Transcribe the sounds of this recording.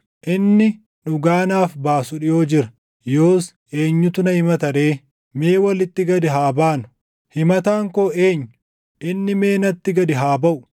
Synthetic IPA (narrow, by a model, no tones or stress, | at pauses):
ʔɪnːɪ | nʊɡaːnaːfbaːsʊᶑɪjo̞ːd͡ʒɪɾɐ̥ | jo̞ːs | ʔe̞ːɲːʊt̪ʊnɐhɪmɐt̪ɐɾe̞ː | me̞ːwɐlɪt̪ːɪɡɐd̪ɪɦaːbaːnʊ̥ | hɪmɐt̪aːŋkoːe̞ːɲːʊ | ʔɪnːɪme̞ːnɐt̪ːɪɡɐd̪ɪɦaːbɐʔʊ̥